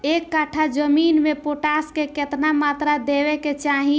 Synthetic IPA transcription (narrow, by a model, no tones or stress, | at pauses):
ekːaʈʰad͡ʒəminmepoʈaskeket̪namat̪ɾad̪eβɛket͡ʃaɦĩ